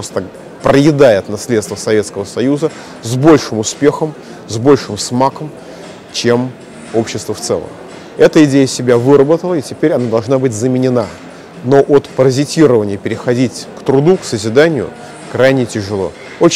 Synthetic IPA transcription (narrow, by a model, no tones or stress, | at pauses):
post̪ə | pɾəjɪd̪ajɪt̪nɐsʲlʲet̪st̪vəsɐvʲet̪skəvəsɐjuzə | zbo̞lʲʂɨmʊspʲe̞xəm | zbo̞lʲʂɨmsmakəm | t͡ɕem | o̞pɕːɪst̪vəft̪sɛ̰lˠə̰m | ɛt̪əɪdʲejəsʲɪbʲavɨɾəbət̪əlˠəɪtʲɪpʲeɾʲɐnad̪ɐlˠʐnabɨtʲzəmʲɪnʲɪna | no̞ʔot̪pəɾəzʲɪtʲiɾəvənʲɪjəpʲɪɾʲɪxɐdʲitʲkt̪ɾʊd̪uksəzʲɪd̪anʲɪjʊ̰ | kɾajnʲɪtʲɪʐɨlˠo̞̰ | ot͡ɕ